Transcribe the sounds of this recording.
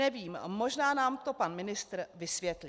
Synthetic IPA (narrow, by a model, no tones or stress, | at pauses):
ɛviːmmo̞ʒnaːnaːmt̪o̞panmɪnɪst̪ɾvɪsvjɛt̪li